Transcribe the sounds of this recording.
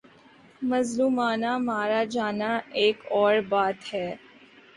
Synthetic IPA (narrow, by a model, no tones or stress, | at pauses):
mɐzluːmaːnamaːɾad͡ʒaːnaeːkɔːɾbaːt̪hɛː